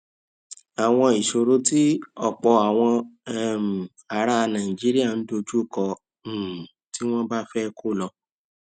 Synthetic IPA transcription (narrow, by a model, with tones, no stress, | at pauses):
a˨w̃ɔ̃˧i˨ʃo˧ɾo˦ti˦ɔ˨k͡pɔ˧a˨w̃ɔ̃˧ɛ˨m̩˨ | a˨ɾa˦˧nã˨ĩ˨d͡ʒi˨˦ɾi˦a˦˨n̩˦do˧d͡ʒu˦˨kɔ˧˨ | ti˦w̃ɔ̃˦ba˦fɛ˦˧kʰo˦˨lɔ˧